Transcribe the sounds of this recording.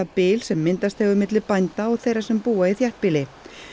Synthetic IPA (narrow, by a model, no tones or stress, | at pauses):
apɪːlsɛmːɪnt̪ast̪hɛvʏmɪt̪lɪpajnt̪aɔɣθejɾḁsɛmpuːaiθjɛht̪̚pɪlɪ